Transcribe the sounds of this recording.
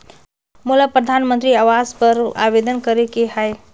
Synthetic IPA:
mulapɾəd̪ʱanmə̃nt̪ɾiaʋazpəɾa̰ʋed̪ənkəɾekeɦaj

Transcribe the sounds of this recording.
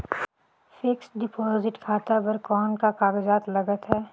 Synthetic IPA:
fɪksɖɪpɔːzɪʈkʰaːt̪abɐɾkɔːnkakaːɡɪd͡ʒaːt̪lɐɡət̪ɦɛː

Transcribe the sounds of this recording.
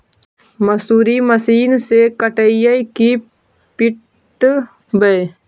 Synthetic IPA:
məsuːɾiməsiːnsekəʈəijəjki | pɪʈ | bəj

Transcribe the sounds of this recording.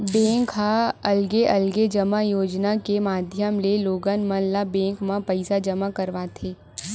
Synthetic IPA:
bɛ̃ːŋkɦaɐlɡeʔɐlɡed͡ʒəmajoːd͡ʒnakemaːd̪ʱjəmleloːɡənmə̃nlabɛ̃ːŋkmãpɐɪsad͡ʒɐmakɐɾʋat̪ʰeː

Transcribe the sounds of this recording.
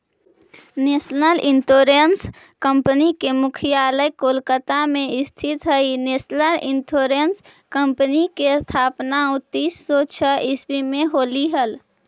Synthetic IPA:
nesnəlintoɾəns | kəmpənikemʊkʰijaːləjkolkət̪amẽɪst̪ʰit̪ɦəineːsnəlintʰoɾens | kəmpənikest̪ʰaːpnaʊt̪isːɔt͡ʃʰəɪsbimẽɦoːliɦəl

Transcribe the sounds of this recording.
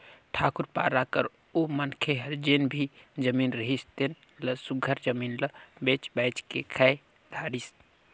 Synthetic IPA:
t̪ʰaːkuɾpa̰ːɾakəɾ | omənkʰeɦəɾd͡ʒenbʱid͡ʒəmiːnɾəɦist̪en | ləsuɡʱəɾd͡ʒəminləbet͡ʃbajt͡ʃkekʰaj | d̪ʱaːɾis

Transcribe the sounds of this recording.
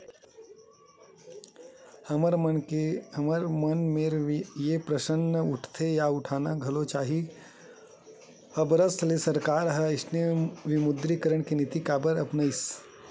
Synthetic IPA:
əɾ | mɾmənmeɾjepɾəʃənːəʊʈʰt̪ʰejaʊʈʰaːnaɡʱɐlot͡ʃaːɦi | əbɾəst̪ʰlesəɾkaːɾɦəɪsneʋɪmʊd̪ɾikəɾəɽ̃kinit̪ikabəɾəpnəis

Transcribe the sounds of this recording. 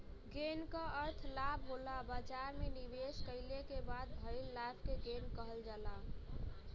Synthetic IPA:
ɡenkəəɾt̪ʰlabʱɦolabat͡ʃaɾmenibeskəɪlekebad̪̚bʱəɪlːapʰkeɡenkəɦəld͡ʒala

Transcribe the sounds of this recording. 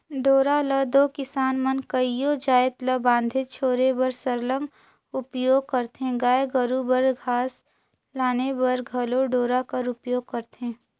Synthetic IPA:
ɖoːɾaləd̪oːkɪsaːnmənkəijoːd͡ʒaːet̪ləbãːnd̪ʱet͡ʃʰoːɾebəɾsəɾlə̃ŋɡ | ʊpjoːɡ̚kəɾt̪ẽɡaːjeɡəɾubəɾɡʱaːs | laːnebəɾɡʱɐloɖoːɾakəɾʊpjoːɡ̚kɐɾt̪ɦẽː

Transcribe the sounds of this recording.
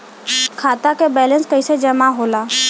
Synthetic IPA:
kʰat̪akebɛlənskəɪsed͡ʒəmaɦola

